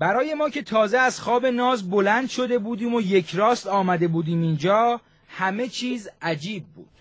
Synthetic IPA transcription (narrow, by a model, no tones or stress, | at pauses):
bæɾɒːje̞mɒːcʰe̞t̪ʰɒːzeæzxɒːbe̞nɒːzbo̞lænd̪ʃo̞d̪e̞buːd̪iːmo̞je̞cʰɾɒːst̪ɒːmæd̪e̞buːd̪iːmind͡ʒɒː | hæme̞t͡ʃʰiːzæd͡ʒiːb̚ːṵːd̪̥